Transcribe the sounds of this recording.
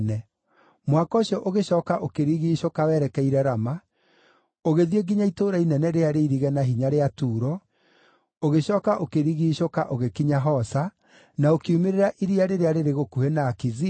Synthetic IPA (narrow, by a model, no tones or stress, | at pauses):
nɛ | mwakɔɕiɔʔoɣeɕɔːkaʔokeɾiɣiːʃokawɛɾɛkɛiɾɛɾama | oɣeðieɡiɲaitoːɾainɛnɛɾeaɾeiɾiɣɛnaɦiɲaɾeatuːɾɔ | oɣeɕɔːkaʔokeɾiɣiːʃokaʔoɣekiɲaɦɔsa | naokiumeɾeɾaʔiɾiaɾeɾeaɾeɾeɣokuhenaːkiði